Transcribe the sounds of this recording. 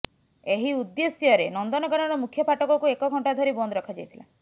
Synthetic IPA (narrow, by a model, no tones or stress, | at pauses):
eɦiud̪ːesjɔɾenɔnd̪ɔnɔkɔɾɔɾɔmukʰːjɔpaʈɔkɔkuekɔɡʱɔɳʈad̪ʱɔɾibɔnd̪ɔɾɔkʰad͡ʒajt̪ʰila̰